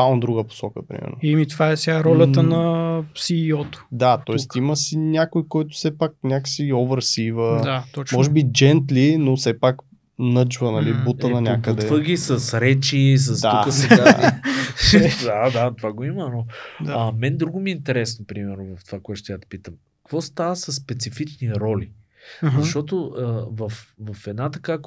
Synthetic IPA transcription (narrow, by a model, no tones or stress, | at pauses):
anod̪ɾuɡəpo̥sɔkəpɾḭmɛ̰ɾno̰imit̪vaɛsɛɡaɾɔlʲəənɐpsiːɔt̪ʊ̥d̪at̪ɔɛst̪iməsinʲakojkɔjt̪ʊ̥sɛpak̚nʲakə̥siɔvəɾsivəd̪at̪ɔmɔʒɛbid͡ʒɛnt̪linosɛpak | nɤd͡ʒvənɐlibut̪ənɐnʲjakəd̪ɛvəɡʲisɐsɾɛt͡ʃis̬ɐstd̪aukəsɛɡa | d̪ad̪at̪ovaɡoimənodɐmɛnd̪ɾuɡʊmiint̪ɛɾɛsnopɾimɛɾnʊvɐft̪ovakoɛt̪ʊt̪jad̪ə̥pit̪əm | kkvɔst̪avəsɐsːpɛt̪sifit͡ʃniɾɔli | zʃt̪ɔt̪oəvɐfvɐfɛd̪nat̪ɐkak